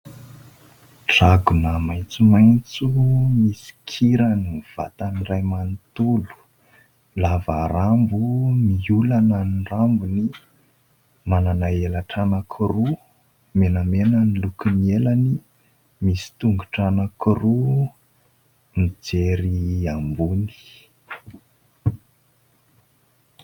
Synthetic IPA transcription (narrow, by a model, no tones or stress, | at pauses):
ʈ͡ʂaɡunəmajt͡sumajnt͡sumisi̥kʰiɾaniv̥a̰t̪anirajmant̪ulu̥ | lavaɾambumiulanənrambuni | mananaelaʈ͡ʂanəkʰiru | menamenənilukinielani | misi̥t̪uŋɡuʈ͡ʂanəkiru | mid͡zeɾiambuni̥